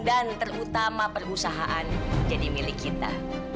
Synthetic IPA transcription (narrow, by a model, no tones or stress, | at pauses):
dant̪ərut̪amapərusaɦaʔand͡ʒadimilɪkːit̪a̰